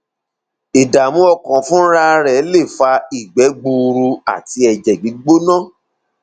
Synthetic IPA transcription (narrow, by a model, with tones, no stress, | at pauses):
i˨da˨mũ˦ɔ˧kã˨fũ˦ɾa˦ɾɛ˨˦le˦˨fa˧i˨ɡ͡bɛ˨˦ɡ͡bũ˧ɾu˧a̰˦˨ti˧˦ɛ˧d͡ʒɛ˨ɡ͡bi˨˦ɡ͡bo˦nã˦˨